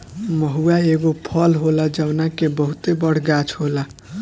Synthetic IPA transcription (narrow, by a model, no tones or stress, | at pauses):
mʌɦuaeɡopʰʌlɦolad͡ʒawnakebʌɦut̪ebʌɽ̤ɡat͡ʃʰhola